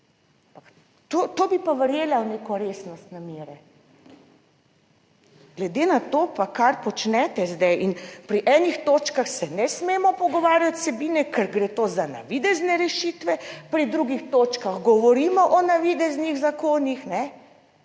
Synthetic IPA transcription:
ampak | t̪oːt̪oːbipaʋəɾjeːlawneːkɔɾeːsnɔst̪nameːɾɛ | ɡ̥lɛd̪enat̪opakaɾpɔt͡ʃnɛt̪ɛzd̪ɛjʔinpɾiʔɛnixt̪oːt͡ʃkaxsɛnɛsmeːmɔpɔɡɔʋaːɾjat̪ʲsɛbiːnɛkɛɾɡɾeːt̪oːzana̰ʋid̪ɛznɛɾɛʃit̪ʋɛpɾid̪ɾuɡixt̪oːt͡ʃkaɣɡɔʋɔɾiːmɔʔɔnaʋid̪ɛzniɣzakoːnixnɛ

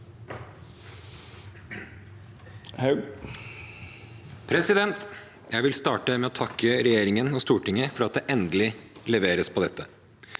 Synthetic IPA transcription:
hɑ | pʰɾɛsɪd̪ɛnt̪ | jæɪʋɪlst̪ɑːʈəmɛːoːt̪ʰɑkʰːəɾɛjeːɾɪŋənɔst̪uːʈɪŋːəfɔɾɑt̪̚d̪eːʔɛnd̪əlɪlɛʋeːɾəspʰɔd̪ɛt̪ʰːə

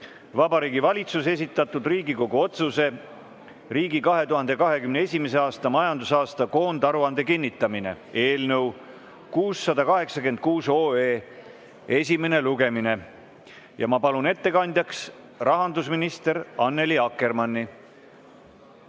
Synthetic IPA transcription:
vɑbɑɾiːɡivɑlʲit̪suse̞s̬ʲit̪ːˑɑt̪ːˑud̪riːɡiko̞ɡuo̞t̪suse̞ | riːɡikɑɦe̞t̪uɦɑnd̪e̞kɑɦe̞kymneesʲime̞se̞ɑːst̪ɑmɑjɑnd̪usɑːst̪ɑko̞ːnd̪ɑɾuɑnd̪̥e̞kinʲːit̪ːˑɑmine̞̰e̞ːlnə̞w | kuːsːɑd̪ɑkɑɦe̞ksɑke̞nd̪̚kuːso̞ːeː | e̞sʲime̞ne̞luɡe̞mine̞ | jɑmɑpɑlune̞t̪ːe̞kɑnʲd̪̥ʲjɑks | rɑɦɑnd̪usminist̪e̞ɾɑnːe̞liɑkːˑe̞rmɑnːi

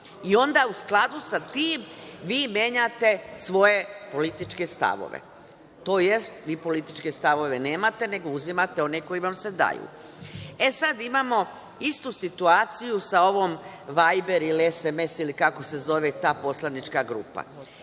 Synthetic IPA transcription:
io̞nd̪ausklˠad̪usat̪iːmʋiːmje̞ɲat̪e̞sʋo̞je̞po̞lit̪it͡ʃke̞st̪a̰ʋo̰ʋḛ | t̪oːje̞st̪ʋiːpo̞lit̪it͡ʃkest̪aʋo̞ʋe̞ne̞ːmat̪e̞ne̞ɡo̞uzimat̪e̞o̞neko̞jiʋamse̞d̪a̰jṵ | e̞sad̪imamo̞ | ist̪usit̪uaːt̪sijusao̞ʋo̞ːm | ʋajbe̞ɾilieseme̞silikako̞se̞zo̞ʋet̪aːpo̞slanit͡ʃkaɡɾṵːpa̰

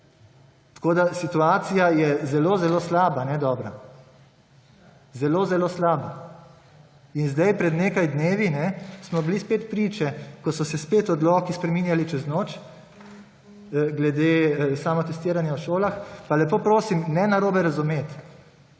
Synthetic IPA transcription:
t̪ḁkoːd̪asit̪uaːsijajɛzɛloːzɛloːslaːbanɛd̪ɔːbɾa | zɛloːzɛloːslaːba | inzd̪ajpɾɛd̪neːkajd̪neːʋinɛsmɔblispeːt̪pɾiːt͡ʃɛkɔsɔsɛspeːt̪ɔd̪lɔːkispɾɛmiːnjalit͡ʃɛznoːt͡ʃ | ɡlɛd̪eːsaːmɔt̪ɛst̪iːɾanjawʃoːlaxpalɛpoːpɾoːsimnɛnaɾoːbɛɾazumeːt̪

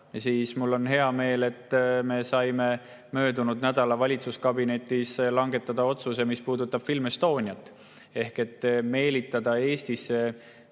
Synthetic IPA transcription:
siːsmulːo̞nɦe̞ɑme̞ːle̞t̪ːˑme̞sɑjme̞ | mø̞ːd̪unud̪̥næd̪̥ɑlɑvɑlʲit̪suskɑbine̞t̪ːˑislɑŋɡ̥e̞t̪ːˑɑd̪̥ɑo̞t̪suse̞mispuːd̪ut̪ːˑɑb̥filmest̪o̞ːnʲiɑt̪ːˑ | e̞hke̞t̪ːˑme̞ːlit̪ːˑɑd̪̥ɑe̞ːst̪isːe̞

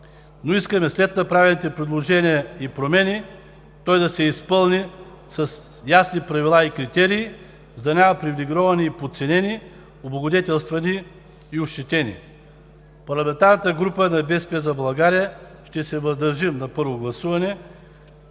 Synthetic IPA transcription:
noiskɐmɛslɛt̪̚nɐpɾavɛlˠnit̪ɛpɾɛd̪lˠoʒɛniəipɾomɛni | t̪ɔjd̪ɐsɛispɤlˠni | sɐs | jasnipɾɐvilˠaikɾit̪ɛɾiː | zd̪ɐnʲamɐpɾivliɡɾɔvɐniːpot̪sɛnʲɛni | oboɡod̪ɛt̪ʲɛlˠst̪vɐniː | ʊʃt͡ʃ̪ɛt̪ɛnḭ | pɐɾlˠɐmɛ̃nt̪aɾnɐt̪əɡɾupənɐbɛspɛzɐblˠɐɡaɾijə | ʃt̪ɛsɛvɐzd̪ɐɾʒimnɐpɤɾvoɡlˠɐsuvɐnɛ

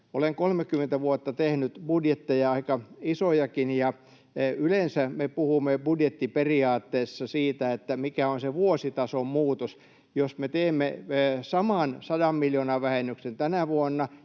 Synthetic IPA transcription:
o̰leŋkolmekːymːˑent̪æʋuot̪ːɑt̪ehnyt̪budjet̪ːejɑɑikɑisojɑkinjɑ | ylensæmepuhumːebudjet̪ːiperiɑːt̪ːeːsːɑsiːt̪æet̪ːæmikæonseʋuosit̪ɑsommuːt̪os | josmet̪eːmːesɑmɑˑnsɑdɑmmiljonɑʋʋæhenːyksent̪ænæʋuonːɑ

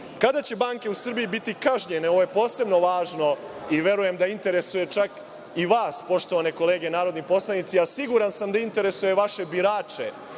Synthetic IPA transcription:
kad̪at͡ɕe̞baːŋke̞usr̩bijibit̪ikaʒɲene̞o̞ʋoje̞po̞ːse̞bno̞ʋaːʒno̞ | iʋje̞ɾuje̞md̪aint̪e̞ɾe̞suje̞t͡ʃak | iʋaːspo̞ʃt̪oʋaneko̞leːɡe̞naːɾod̪nipo̞slˠanit̪siasiɡuɾansamd̪aint̪e̞ɾe̞suje̞ʋaʃe̞biɾaːt͡ʃe̞

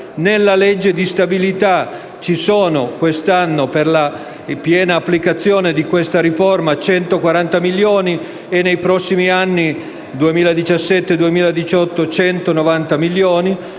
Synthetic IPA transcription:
nelːaled͡ʒːed̪ist̪abilit̪a | t͡ʃisoːnokwest̪anːoperla | pjɛːnaːpːlikat̪sːjoːned̪ikwest̪aɾiformat͡ʃɛnt̪okwaɾant̪amiljoːni | enːejpɾɔsːimianːi | d̪uemiːlad̪it͡ʃasːɛt̪ːed̪uemiːlad̪it͡ʃɔt̪ːot͡ʃɛnt̪onovant̪amilːjoːni

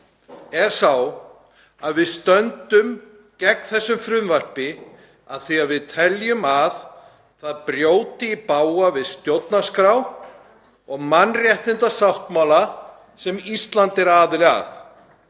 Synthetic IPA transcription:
ɛɾ̥saw | aðvɪðst̪œnt̪ʏm | cɛkθɛsːʏmfɾʏmvar̥pɪ | aðθiaðvɪðt̪ʰɛljʏmaθ | θaðpɾjoːwt̪ɪipaːwavɪðst̪jowt̪naskɾaw | ɔɣmanːrjɛht̪ɪnt̪asawht̪mawla | sɛmist̪lant̪ɪɾaːðɪlɪa̰θ

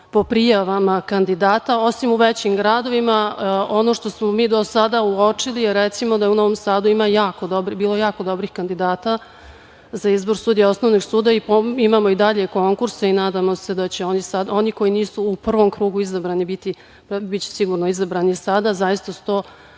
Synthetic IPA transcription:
po̞pɾijaʋamakand̪id̪aːt̪ao̞simuʋet͡ɕimɡɾad̪o̞ʋimao̞no̞ʂt̪o̞smomiːd̪o̞sad̪auot͡ʂilijeɾet̪simo̞d̪ajeuno̞ʋo̞msaːd̪uimajaːkod̪obɾbiːlˠojaːko̞d̪o̞bɾixkand̪id̪aːt̪a | zaizbo̞ɾsuːd̪ijao̞sno̞ʋniɡsuːd̪aipoimamo̞id̪aʎeko̞ŋkuɾsainaːd̪amo̞se̞d̪at͡ɕe̞o̞nisad̪o̞niko̞jiniːsuːpr̩ʋo̞mkɾuːɡuizabɾanibit̪i | pbit͡ɕe̥siɡuɾnoizabɾaːnisad̪azajist̪asu̥t̪o̞ː

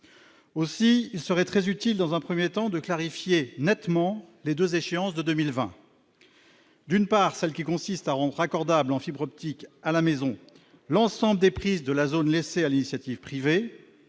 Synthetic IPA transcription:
osiilsəʁɛt̪χɛzyt̪ild̪ɑ̃zɛ̃pχəmjet̪ɑ̃d̪əklaʁifjenɛt̪mɑ̃led̪øzeʃeɑ̃sd̪əd̪ømilvɛ̰̃ | d̪ynpaʁsɛlkʲikɔ̃sist̪aʁɑ̃d̪ʁakɔʁd̪ablɑ̃fibʁɔp̚t̪ikalamezɔ̃ | lɑ̃sɑ̃bləd̪epχizd̪əlazonlesealinisjat̪ivpχive

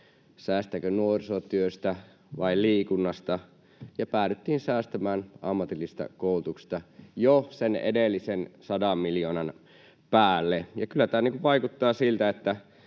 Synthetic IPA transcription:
sæːst̪ækønuorisot̪yøst̪æ | ʋɑiliːkunːɑst̪ɑ | jɑpæːtet̪ːiːnsæːst̪æmæːnɑ̰mːɑt̪ilːist̪ɑ̰koˑulut̪uksst̪ɑjosenḛdelːisensɑdɑmmiljoːnɑn | pæːlːejɑkylːæt̪æːniːŋkuʋʋɑikut̪ːɑːsilt̪æet̪ːæ

